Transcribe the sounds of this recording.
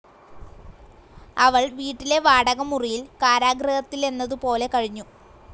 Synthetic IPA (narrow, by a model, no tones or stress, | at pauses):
ɐʋɐɭʋiːʈːile̞ʋaːɽɐɣɐmurijilkaːɾaːɡɾɐhɐt̪ːile̞nːɐðɨpo̞ːle̞kɐɻiɲːu